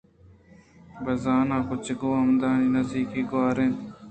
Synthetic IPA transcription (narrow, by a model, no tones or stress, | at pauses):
bəzaːnãːkʊt͡ʃɡoːəmd̪ãːiːnəzd̪iːkiːɡoaːɾẽːn